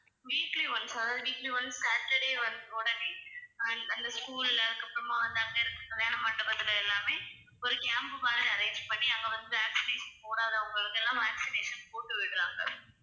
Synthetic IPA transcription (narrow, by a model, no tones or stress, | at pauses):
ʋiːkliʋɐnsɐðaːðɯʋiːkliʋɐnssaːʈːɛɽeːʋɐnd̪ɯɔɽɐne | ɐnd̪ɐskuːlɐkːɐpːɯɾɐmaːʋɐnd̪aːŋkɐɛnɐt̪ːt̪ɐðɐjaːnɐmaːʈːɐɾɐðɯlɐɛlːaːmeː | ɔɾɯkaːmpmaːlɐɾẽɪnd͡ʒpɐɳːiɐŋɡɐʋɐnd̪ɯʋaːksɪneːʂɐnpoːɽaːðɯɐʋɐŋɡɐɭɯkːɛlːãːʋæːksɪneːʂɐnpoːʈːɯʋɪkɪɾaːŋɡɐ̰